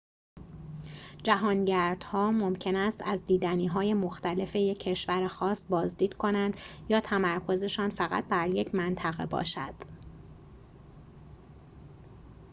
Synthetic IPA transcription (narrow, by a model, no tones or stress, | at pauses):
d͡ʒæɦɒːnɟæɾd̪̥hɒːmo̞mcʰe̞næst̪æzd̪iːd̪æniːɦɒːje̞mo̞xt̪æle̞fe̞je̞cʰːe̞ʃvæɾexɒːst̪bɒːzd̪iːd̪̥kʰo̞nænd̪̥jɒːt̪ʰæmæɾkʰo̞ze̞ʃɒːnfæɣæ̰t̪̚bæɾje̞cʰmænt̪ʰæɣe̞̰bɒ̰ːʃæd̪̥